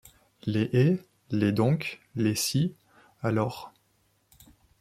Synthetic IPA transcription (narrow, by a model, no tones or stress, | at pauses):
leʔe | led̪ɔ̃klesi | alɔːʁ